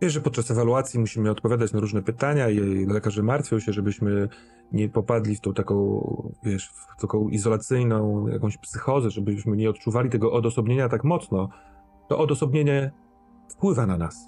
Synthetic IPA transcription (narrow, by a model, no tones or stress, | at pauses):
vʲjɛʐɛpɔt̪̚t͡ʂasɛvaluat̪sʲjimuɕimɘɔt̪̚pɔvʲad̪at͡ɕnaɾuʐnɛpɘt̪aɲailɛkaʐɛmaɾt̪fʲjɔ̃w̃ɕɛʐɛbɘɕmɘ | ɲɛpɔpad̪lʲift̪ɔ̃w̃t̪akɔ̃w̃vʲjɛʂft̪akɔ̃w̃ʔizɔlat̪sɘjnɔ̃w̃ja̰kɔ̃w̃ɕpsɘxɔzɛʐɛbɘɕmɘɲɛɔt̪̚t͡ʂuvalʲit̪ɛɡɔʔɔd̪ɔsɔbɲeɲat̪akmɔt̪snɔ | t̪ɔ̰ʔɔd̪ɔsɔbɲeɲɛ | fpwɘvananas